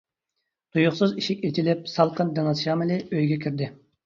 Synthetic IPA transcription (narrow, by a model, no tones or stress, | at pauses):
t̪ʰujuχsɨziʃikʲet͡ʃ̪ʰilɪp̚sɑlˠqənd̪ɨnɑzʃɑːmɨlɪøjɡʲɛkʲʰiɾd̪ɪ